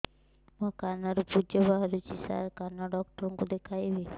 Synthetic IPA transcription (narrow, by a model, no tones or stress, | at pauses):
mɔkanaɾupud͡ʒəbaɦɾut͡ʃisa̰ɾkanɔɖɔk̚ʈɔɾɔŋkud̪ekʰajbe